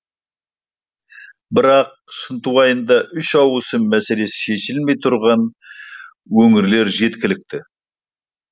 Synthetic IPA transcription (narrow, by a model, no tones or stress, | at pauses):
bɪɾɑq̚ʃənt̪uwɑjənd̪ɑʔʏʃɑwəsəmmæse̞le̞sɪ̥ʃe̞ʃɪlme̞jt̪ʰʊɾʁɑn | wɵŋɪɾle̞ɾʒe̞t̪kʲɪlɪk̚t̪ɪ